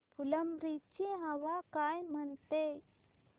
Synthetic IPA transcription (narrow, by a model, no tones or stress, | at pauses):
puləmɾit͡ɕiɦəʋakajm̤əɳt̪e